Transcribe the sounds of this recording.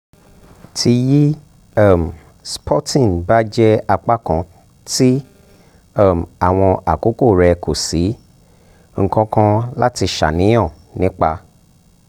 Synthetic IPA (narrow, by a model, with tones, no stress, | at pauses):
tʰi˧ji˦ | a˦˨m̩˨ | spʰɔ˦tĩ˦˨nba˦d͡ʒɛ˦a˧k͡pa˦kã˧ | ti˦˨ | m˨a˨w̃ɔ̃˧ʔa˨ko˨˦ko˦˨ɾɛ˧ko˨si˨˦ | ŋ̩˦˨kɔ̃˧kã˧la˦ti˧ʃa̰˨nĩ˨˦ɔ̃˦˨ | nĩ˨˦k͡pa˧